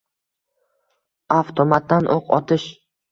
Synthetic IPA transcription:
aft̪ʰomat̪̚d̪anʔoqʰɒ̰t̪ʰɪʃ

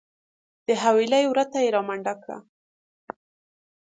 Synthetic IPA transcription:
d̪̥əɦawilajwɾat̪ajeɾɑmaɳɖakɽa̰

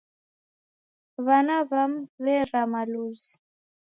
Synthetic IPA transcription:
βanaβam̩βɛɾamaluzi

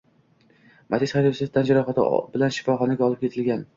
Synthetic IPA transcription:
mʔat̪ʰisχaɾisɪft̪ʰand͡ʒaɾɒχat̪ʰɪ̰bɪlanʃɪ̥fɒχɒnaɡʲaɒlˠɪp̚kʲe̞t̪ʰɪlɡʲan

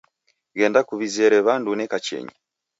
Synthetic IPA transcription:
ɡendakuβizeɾeβandunɛkat͡ʃḛɲi

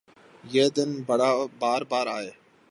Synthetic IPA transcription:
jeːd̪ɪnbəɽaːbaːɾbaːɾaːɦeː

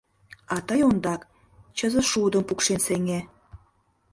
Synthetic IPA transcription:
ɑt̪əjond̪ɑk | t͡ɕəzə̆ʃud̪ə̆mpukʃenseŋe

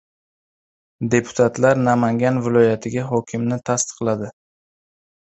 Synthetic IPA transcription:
d̪e̞pʰʊ̥t̪ʰat̪ʰlaɾnamaŋɡʲanvɪlɒjat̪ʰɪɡʲaɦɒkʲʰɪmnɪt̪ʰast̪ɨ̥qlˠad̪ɪ

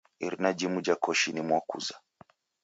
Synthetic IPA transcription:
ḭɾinad͡ʒimud͡ʒakɔʃinimwakṵza

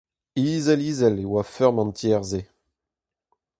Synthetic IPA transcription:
iːzɛliːzɛlewafœʁmɑ̃nt̪jɛːʁze

